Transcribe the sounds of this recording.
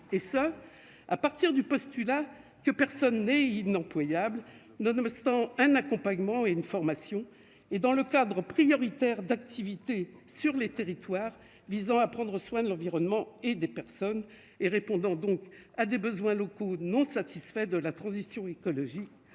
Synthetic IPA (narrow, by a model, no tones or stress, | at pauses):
esə | apaʁt̪iʁd̪ypɔst̪yla | kəpɛʁsɔnːɛinɑ̃plwajabl | nɔnɔst̪ɑ̃ɛ̃nakɔ̃paɲmɑ̃eynfɔʁmasjɔ̃ | ed̪ɑ̃ləkad̪ʁəpχijɔʁit̪ɛʁd̪akt̪ʰivit̪esyʁlet̪eʁit̪waʁ | vizɑ̃apχɑ̃d̪ʁəswɛ̃d̪əlɑ̃viʁɔnmɑ̃ed̪epɛʁsɔn | eʁepɔ̃d̪ɑ̃d̪ɔ̃kad̪ebəzwɛ̃lɔkonɔ̃sat̪isfɛd̪əlat̪χɑ̃zisjɔ̃ekɔlɔʒik